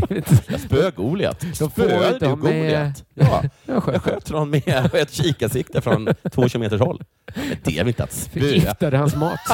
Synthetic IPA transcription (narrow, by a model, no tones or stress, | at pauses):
jɑ̰spøːɡuːlɪa̰t̪d̪fød̪ɡuɪajɑːɑɧøːt̪ənɔnmɛɛt̪ɕiːkasɪk̚t̪əfɾɔnt̪ʰv̥oːɕʉːʊmeːt̪əʂhɔlː | ɛ̰nd̪ɛ̰aɾlɪnt̪əa̰t̪søːt̪ad̪əhansmɑːt̪